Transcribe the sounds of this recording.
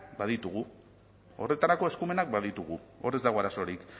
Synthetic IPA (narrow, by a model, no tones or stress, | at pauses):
baðit̪uɣ̞u | o̞̰re̞t̪aɾako̞e̞skume̞nak̚baðit̪uɣ̞uo̞re̞zd̪aɣo̞aɾaso̞ɾik